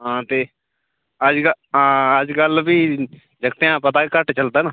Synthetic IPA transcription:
ɦãːt̪eː | əd͡ʒkəɦãːəd͡ʒɡəlbiː | d͡ʒəɡt̪eãːpət̪aːekəʈt͡ʃəld̪aːnaː

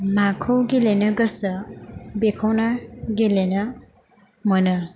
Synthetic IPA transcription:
makʰowɡelenʌɡʌsʌbekʰɔwnaɡelenʌ | mʌnɯ

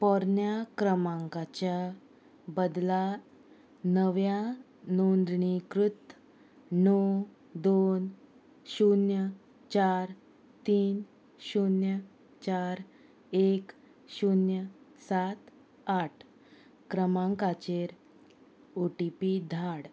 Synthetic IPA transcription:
pɔɾnjakɾəmaŋkat͡ɕja | bəd̪la | nəʋja | nond̪ɳikɾut̪ː | nɔ | d̪on | ɕunjə | t͡ɕaɾ | t̪iːn | ɕunjə | t͡ɕaɾ | ek | ɕunjəsat̪ | aʈʰ | kɾəmaŋkat͡ɕeɾ | oʈipid̪ʱaɽ

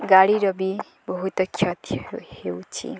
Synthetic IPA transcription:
ɡaɽiɾʌbi | bʌɦut̪ʌkʰjʌt̪hewt͡sʰḭ

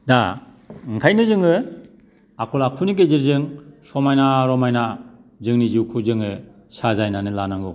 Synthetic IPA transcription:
da | ɯŋkʰajnɯzɯŋɯ | akʰɔlakʰuniɡeziɾzɯŋsɔmajnaɾɔmajna | zɯŋniziwkʰuzɯŋɯ | sazajnanɯlanaŋɯ

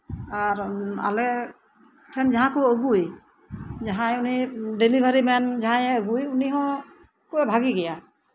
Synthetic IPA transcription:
aɹa̰lɛ | tʰɛnzaɦãkuoɡuj | zaɦãjunidelibʱaɹimɛnzaɦãjɛoɡujuniɦɔ̃ | kubɛbʱaɡiɡɛja

